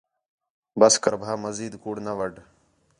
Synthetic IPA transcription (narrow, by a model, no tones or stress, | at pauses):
bəskə̰ɾbʱaːməziːd̪kuːɽnəʋəɖʱ